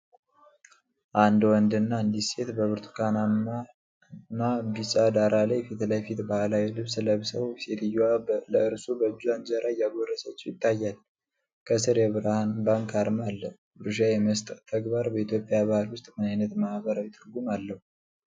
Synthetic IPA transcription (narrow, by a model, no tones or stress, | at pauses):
ʔand̪wɔnd̪ɨnːaɨnd̪ise̞t̪bəβɨɾt̪ʰu̥kʰanama | nːabisʼad̪aɾʔalajfit̪lajfit̪bahlawilɨβsləβsə̰woset̪ʰɨjaləɨɾsubəd͡ʒd͡ʒanzəɾʔajaɡorːəsət͡ʃːɛjɪt̪ʰːajːal | kʰəs̬ɨɾjɛβɨɾahanbaŋkʰaɾmalːəh | bɨɾɨʃajɛməst̪ʼət̪ʰːəɡbaɾbəit̪ʰjopʼːjaβahalwʊst̪ʼmɨnajnət̪mahbəɾawjɛt̪ʰʼɨɾɡumalːəhu